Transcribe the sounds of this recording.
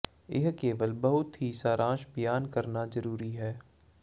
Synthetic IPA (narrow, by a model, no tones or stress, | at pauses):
ɪɦkeːʋəlbɐɦʊt̪ɦiːsaːɾãːʃbɪjaːnkɐɾnazɐɾuːɾiɦɛː